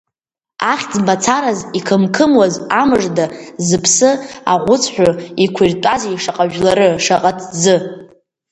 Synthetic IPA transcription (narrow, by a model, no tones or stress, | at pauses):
aχʲd͡zbat͡sʰaɾazikʰɨmkʰɨmwazamɨʐdazɨpʰsɨa̰ʁʷʊt͡sʰħʷᶣʊikʷʰirtʼazejʂaqʼaʒᶣlaɾɨʂaqʼatʰd͡zɨ